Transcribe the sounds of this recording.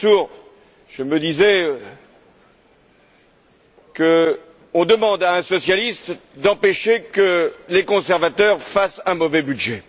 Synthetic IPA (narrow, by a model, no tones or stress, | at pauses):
uːʁ | ʒ̥əməd̪izɛø | kə | ɔ̃d̪əmɑ̃d̪aɛ̃sɔsjalist̪d̪ɑ̃peʃekəlekɔ̃sɛʁvat̪œʁfasɛ̃mɔvɛbyd̪ʒɛ